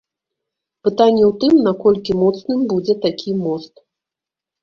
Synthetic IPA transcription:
pɨt̪anʲːɛwt̪ɨmnakɔlʲkʲimɔt̪snɨmbud͡zʲɛt̪akʲʰimɔst̪

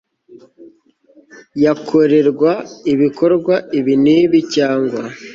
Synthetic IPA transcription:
jakʰoɾe̞ɾɡwaiβikʰo̞ɾɡwaiβiniːβicaːŋɡwa

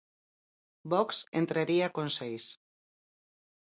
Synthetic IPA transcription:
bɔksḛnt̪ɾaɾiakonsejs

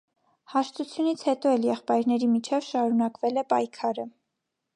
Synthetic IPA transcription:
hɑʃt̪ut͡sʰjunit͡sʰhɛt̪ɔɛljɛχpɑjɾnɛɾimit͡ʃʰɛvʃɑɾunɑkvɛlɛpɑjkʰɑɾə

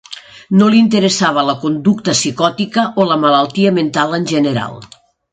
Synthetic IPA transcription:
nolint̪əɾəsaβ̞ələkund̪uk̚t̪əsikɔt̪ikəʔoləməlalˠt̪iəment̪alənʲʒənəɾa̰lˠ

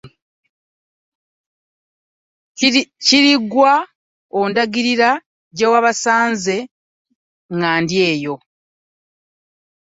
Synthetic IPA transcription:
ciɾiɡwa | ondaɡiɾiɾa | ɟewaβasaːnze̞ | ŋɡaːndje̞ːjo̞

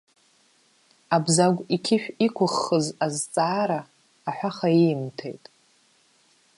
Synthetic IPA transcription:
abzaɡʷikʲʰɪʃᶣikʷʰʊχːəzazt͡sʼaːɾaː | ħʷaχaimtʰḛjtʼ

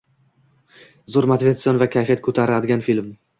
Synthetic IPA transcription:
zoɾmat̪vʲe̞t̪sɨjɒnvakʲʰajfijat̪̚kʰɵt̪ʰaɾad̪ɪɡʲanfilm

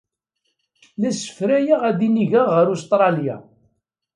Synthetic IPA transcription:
læsə̥fɾæjaʁæðiniʝaʁːəɾust̪ɾˤɑlja̰

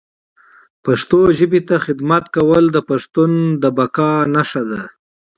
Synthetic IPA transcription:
paʂt̪oʒəbit̪axɪd̪mat̪kawəld̪əpaʂt̪und̪əbakɑnaʂad̪a

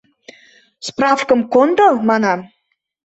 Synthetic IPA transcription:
sprɑfkə̆mkond̪ɤmɑnɑm

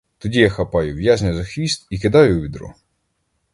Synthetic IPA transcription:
t̪ɔdʲijaxɐpɑjʊʋjaʒnʲʊzɐxʋʲist̪ikɪd̪ɑjʊʋʲid̪ɾɔ̰

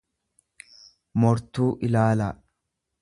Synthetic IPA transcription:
mɔɾt̪uːʔɪlaːlɐ

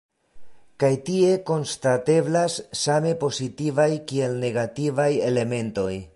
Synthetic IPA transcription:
kajtie̞ko̞nstate̞blasːame̞po̞sitivajkie̞lne̞ɡativaje̞le̞me̞nto̞j

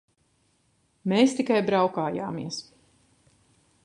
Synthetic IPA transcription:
meːst̪ikajbɾawkaːja̰ːmḭɛəs

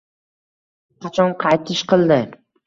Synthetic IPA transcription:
qʰɑt͡ʃʰɒnqʰɑjt̪ʰɪʃqʰɨlˠd̪ɪ

